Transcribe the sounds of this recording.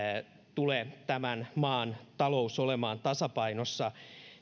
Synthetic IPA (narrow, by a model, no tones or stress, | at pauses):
t̪uleːt̪æmænmɑːnt̪ɑlousolemɑːnt̪ɑsɑpɑinosːɑ